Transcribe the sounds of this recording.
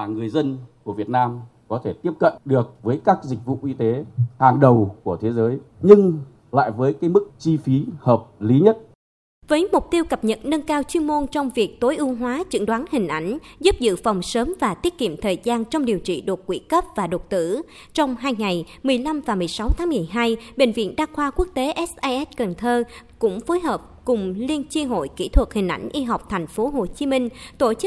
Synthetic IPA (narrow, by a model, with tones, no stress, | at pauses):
aː˨˩ŋɨ˨˩əjzə˧nku˧˩vi˨˩ət̚naː˧mkɔ˨˦t̪ʰe˧˩t̪i˦˥əp̚kə̰˧˨nɗɨ˨˩ək̚vəː˨˦jkaː˦˥k̚zï˨˩k̟̚vṵ˧˨ʔi˧t̪e˨˦haː˨˩ŋɗə˨˩wku˧˩ət̪ʰe˨˦zəː˨˦jɲɨ˧ŋ | la̰ː˧˨jvəː˨˦jkaː˨˦jmɨ˦˥k̚t͡ɕi˧fi˨˦həː˨˩p̚li˨˦ɲə˦˥t̚ | vəː˨˦jmʊ˨˩k͡p̚t̪i˧əwkə˨˩p̚ɲə̰˧˨t̚nə˧nkaː˧wt͡ɕwi˧ənmo˧nt͡ɕɔ˧wŋ͡mvi˨˩ək̚t̪o˨˦jʔu˧ɦwaː˨˦t͡ɕɨ̰˧˥ŋɗwaː˨˦nhï˨˩ŋ̟ʔa˧˩jŋ̟zu˦˥p̚zɨ̰˧˨fɔ˨˩wŋ͡msəː˨˦mvaː˨˩t̪i˦˥ət̚kḭ˧˨əmt̪ʰəː˨˩jzaː˧nt͡ɕɔ˧wŋ͡mɗi˨˩əwt͡ɕḭ˧˨ɗo˨˩t̚kwḭ˧˥kə˦˥p̚vaː˨˩ɗo˨˩t̚t̪ɨ̰˧˥ | t͡ɕɔ˧wŋ͡mɦaː˧jŋa˨˩j | mɨ˨˩əjla˧mvaː˨˩mɨ˨˩əjsa˨˦wt̪ʰaː˨˦mɨ˨˩əjɦaː˧jɓḛ˧˩ŋ̟vḭ˧˨ənɗaː˧xwaː˧ku˦˥ək̚t̪e˨˦ʔɛ˦˥sʔaː˧jʔɛ˦˥t̚kə˨˩nt̪ʰəː˧kʊ̰˧˥ŋ͡mfo˨˦jɦəː˨˩p̚kʊ˨˩ŋ͡mli˧ənt͡ɕi˧ɦo̰˧˨jkḭ˧˥t̪ʰwə˨˩t̚hï˨˩ŋ̟ʔa˧˩jŋ̟ʔi˧ɦa˨˩wk͡p̚t̪ʰɛ˨˩ŋ̟fo˨˦ɦo˨˩t͡ɕi˨˦mï˧ŋ̟t̪o˧˩t͡ɕɨ˦˥